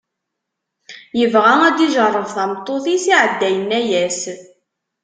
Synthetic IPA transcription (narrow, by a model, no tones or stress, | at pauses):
jəvʁææd̪iʒərˤːəvθɑmt̪ˤːoθisiʕəd̪ːæjənːæjæs